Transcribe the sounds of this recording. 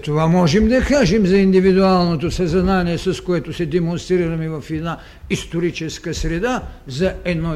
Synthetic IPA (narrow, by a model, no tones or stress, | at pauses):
t̪ovamɔʒɛmd̪ɐkaʒɛmzaind̪ivid̪ualˠnot̪̬osaznanijɛsɐskoɛt̪osɛd̪ɛmonst̪ɾɾiɾamɛvafɛd̪na | ist̪oɾit͡ʃɛskasɾɛd̪azaɛd̪no